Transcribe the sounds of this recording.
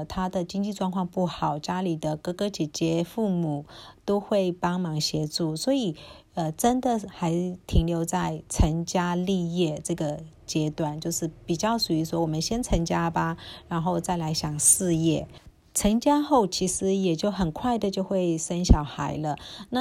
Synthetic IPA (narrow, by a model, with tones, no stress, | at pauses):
t̪ʰa˥d̪ə˨t͡ɕi˥ŋt͡ɕi˥˧ʈ͡ʂwɑ˥˧ŋkʰwɑ˥˧ŋpu˥˩xɑ˨˩ʊt͡ɕja˥li˨˩d̪ə˦kɤ˥kɤ˥t͡ɕjɛ˨˩t͡ɕjɛ˥fu˥˩mu˨˩˦t̪o˥ʊxwe˥˩ɪpɑ˥ŋmɑ˧˥ŋɕjɛ˧˥ʈ͡ʂu˥˩swɔ˧˥i˨˩ə˧ʈ͡ʂə˥nd̪ə˨xa˧˥ɪt̪ʰi˧˥ŋljo˧˥ʊt͡sa˥˧ɪt͡sʰə˧˥nt͡ɕja˥li˥˧jɛ˥˧ʈ͡ʂɤ˥˩ɡə˩ | t͡ɕjɛ˧˥t̪wa˨˩˦nt͡ɕjo˥˧ʊʂɻ̩˥˩pi˨˩t͡ɕjɑ˥˩ʊʂu˨˩y˧˥swɔ˥wɔ˨˩mə˦nɕjɛ˥nt͡sʰə˧˥nt͡ɕja˥ba˨ɻa˧˥nxo˥˧ʊt͡sa˥˩ɪla˧˥ɪɕjɑ˨˩ŋʂɻɹɻ̩˥˧jɛ˥˩ | t͡sʰə˧˥nt͡ɕja˥xo˥˩ʊt͡ɕʰi˧˥ʂɻ̩˧˥jɛ˨˩t͡ɕjo˥˩ʊxə˨˩nkʰwa˥˩ɪd̪ə˩t͡ɕjo˥˧ʊxwe˥˩ɪsə˥nɕjɑ˨˩ʊxa˧˥ɪlə˧na˥˩